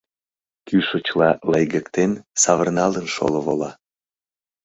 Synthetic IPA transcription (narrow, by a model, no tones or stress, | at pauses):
kyʃət͡ɕlɑləjɣəkt̪ensɑβərnɑlənʃo̰loβo̰lɑ